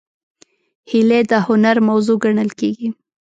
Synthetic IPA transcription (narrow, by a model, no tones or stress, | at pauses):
hiled̪əhʊnaɾmawzoɡaɳəlkeɡi